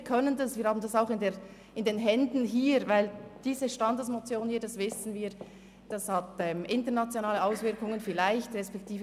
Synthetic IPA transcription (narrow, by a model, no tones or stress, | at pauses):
kʰœnəndɑsviːɾhaːbmn̩dɑsaʊxɪndeːɾ | ʔɪndeːnɦɛndn̩ɦiːɾvaɪld̥iːzəʃtɑndəsmot͡sjoːnhiːɐdasv̥ɪsn̩viːɾ | d̥ɑshɑtɛmʔɪntəɐnat͡sjonaːləʔaʊsvɪɾkʊŋənfɪlaɪçtʁɛspɛk̚tʰiːf